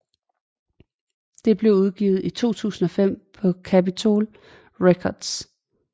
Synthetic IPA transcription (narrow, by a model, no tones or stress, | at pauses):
d̥e̝b̥le̝ʊuðˠɡ̥ḭːʊð̞̩ˠit͡sʰo̝̰ːt͡sʰṵːsn̩ɒ̽fem̰pʰɒ̽kʰæpit͡sʰo̝l | ʁekʰɒd̥s